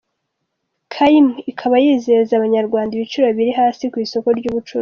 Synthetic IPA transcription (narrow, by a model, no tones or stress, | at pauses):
kʰaimikʰaβajizeɾezaβaɲaɾɡwaːndiβit͡ʃuɾoβiɾiɦaːsikwiːso̞ko̞ɾɟuːβut͡ʃuɾo